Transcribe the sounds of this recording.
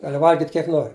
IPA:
ˈɡɑːlʲɪ ˈʋɐlʲɡʲɪtʲ kʲiɛk ˈnoːrʲɪ

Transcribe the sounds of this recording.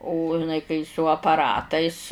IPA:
oː ɪˈnɐɪ kɐɪ sʊ ɐpɐˈrɑːtɐɪs

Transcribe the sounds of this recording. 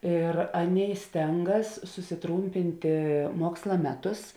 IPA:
ɪr ˈɑːˌnʲeːɪ ˈsʲtʲɛŋɡɐs sʊsʲɪˈtruːmʲpʲɪnʲtʲeː ˈmuɔkslˠɐ ˈmʲæːˌtʊs

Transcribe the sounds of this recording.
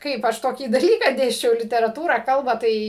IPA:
ˈkɐɪp ɐʃ ˈtoːkʲiː dɐˈlʲiːkɑː ˈdʲeːsʲt͡ʃʲɛʊ lʲɪtʲɛrɐˈtuːrɑː ˈkɐlˠbɑː ˈtɐɪ

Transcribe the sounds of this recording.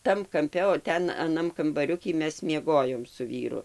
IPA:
ˈtɐm kɐmʲˈpʲɛ oː ˈtʲɛn ɐˈnɐm kɐmbɐˈrʲʊkʲiː ˈmʲɛs mʲiɛˈɡoːjoːm sʊ ˈʋʲiːrʊ

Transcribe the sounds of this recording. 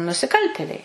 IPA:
nʊsʲɪˈkɐlʲtʲeːlʲɛɪ

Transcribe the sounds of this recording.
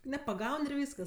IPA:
nʲɛpɐˈɡɐʊn ɪr ˈʋʲiːskɐs

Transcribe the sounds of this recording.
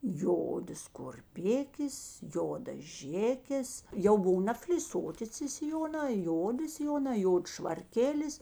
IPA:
ˈjoːdɐs kʊrʲˈpʲɪkʲeːs ˈjoːdɐs ˈʒʲeːkʲeːs jɛʊ ˈbʊw nɐfʲlʲɪˈsoːtʲɪ t͡sʲɪ sʲɪˈjoːnɑː ˈjoːdʲɪ sʲɪˈjoːnɑː ˈjoːts ʃʋɐrʲˈkʲeːlʲɪs

